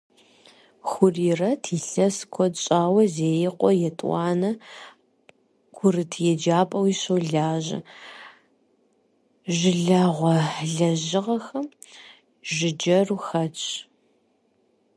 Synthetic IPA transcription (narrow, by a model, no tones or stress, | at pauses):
xʷʊriːrɐtʰiːɬɐskʷʰɔt͡ʃʼaːwɐzeːjɪqʷɔjɛtʼwʷɑːnɐ | ɡʰʷʊrɨtʰjɛd͡ʒaːpʼɐwiɕowɮaːʑɐ̰ | ʒɪɮaʁʷɔɮɐʑɪʁɐxɐm | ʒɪd͡ʒɐruxɐt͡ʃʼ